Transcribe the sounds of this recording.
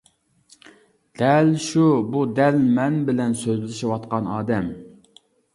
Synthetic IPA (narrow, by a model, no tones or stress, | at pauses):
d̪̥ɛlʃubud̪ɛlmɛnbɪlɛnsøzlɪʃɪwɑt̪qɑnɑːd̪ɛm